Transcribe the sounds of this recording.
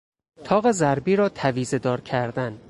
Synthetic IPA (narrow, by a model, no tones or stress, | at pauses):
t̪ʰɒːɣe̞zæɾbiːɾɒːt̪ʰæviːze̞d̪ɒːɾcʰæɾd̪æn